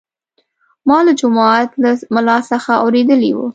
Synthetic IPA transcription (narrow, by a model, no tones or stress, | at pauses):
mɑlad͡ʒʊmɑat̪lamʊlɑsəxaɑ̰wɾed̪əliwṵ